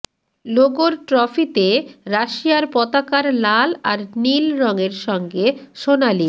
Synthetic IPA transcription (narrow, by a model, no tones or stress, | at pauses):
loɡoɾʈɾɔfit̪eɾaʃijaɾpɔt̪akaɾlalaɾnilɾɔŋeɾʃɔŋɡeʃonali